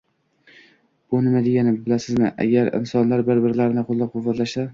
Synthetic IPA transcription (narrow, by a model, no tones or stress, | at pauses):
bʊnɪmad̪eɡʲanɪbɪlasɪzmɪʔa̰ɡʲaɾɪ̰nsɒnlaɾbɪɾbɪɾlaɾɪnɪqʰolˠːɒp̚qʰʊvat̪laʃsa